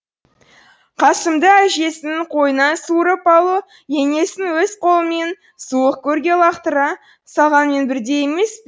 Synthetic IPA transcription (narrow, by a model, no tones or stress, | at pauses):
qʰɑsəmd̪əæʒe̞sɪnɪqʰo̞jənɑsuɾəpɑlˠu | je̞ŋe̞sɪnwɵzqʰo̞lˠəme̞n | suəq̚kʲʰɵɾɡʲe̞lˠɑqt̪əɾɑ | sɑʁɑnme̞nbɪɾd̪e̞jeme̞sp